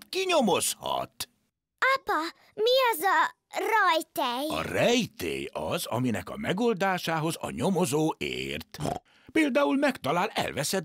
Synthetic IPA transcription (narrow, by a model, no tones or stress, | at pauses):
kiɲomo̞shɒ̰t̪ | apɒ | miɒzɒ | rɒjt̪ɛjɒ̰rɛjt̪ḛːjɒzɒminɛkɒ̰mɛɡold̪aːʃaːɦo̞zɒ̰ɲo̞mozoːʔeːrt̪ | peːld̪aːulmɛkt̪ɒlaːlɛ̰lvɛsɛ